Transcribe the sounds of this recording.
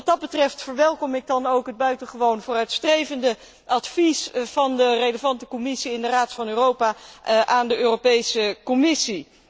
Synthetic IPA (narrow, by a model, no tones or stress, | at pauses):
ɑt̚dɑd̚bətrɛftfəɹʋɛlˠkɔmɪɡ̚dɑnowkɦəd̚bœɥtənχəʋownvoːrœɥtstrejvəndə | ʔɑtfisv̥ɑndərejləvɑntəkɔmɪsiɪndəraːtfɑnøːrowpaːʔaːndəøːropejsəkɔmɪsi